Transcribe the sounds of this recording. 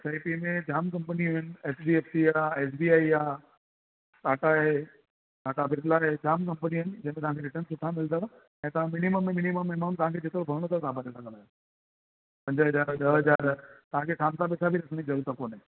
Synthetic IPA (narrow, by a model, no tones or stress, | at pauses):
saːipimẽd͡ʑaːmkɐ̃mpəniʊɪnɪ̆eːsbieːfsiaːeːsbiːaːiaː | saːʈaɦe | kaːʈabɪt̪laɦed͡ʑaːmkɐ̃mpəniʊɪnɪ̆d͡ʑɐ̃ːmẽt̪ɐʋ̤ɦãkʰeɾɪʈənsʊʈʰamɪld̪a | ɛ̃ːt̪ɐʋãmɪniməmːẽmɪniməmːeməmt̪ɐʋɦãkʰed͡ʑet̪ɾobʱɐɾɽ̃ot̪asaːbaɗesɐkə̃laːja | pɐ̃ɲd͡ʑɦɐzaːɾɗɐɦɐd͡ʑaːɾt̪ɐʋ̤ãkʰesaːmt̪apɛːsʰabʱiɾɐsənizɐɾuːɾt̪akoːnẽ